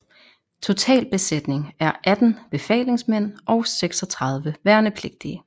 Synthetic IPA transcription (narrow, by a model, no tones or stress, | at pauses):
t͡sʰo̝t͡sʰɛ̰ːlb̥e̝sed̥ne̝ŋæɐʔæd̥n̩b̥e̝fɛ̰ːle̝ŋsmen̰ʔɒ̽ʊseɡ̥sɒ̽t͡sʰʁɑ̈ð̞ˠʋəʋæɐnəpʰle̝ɡ̥̚d̥iə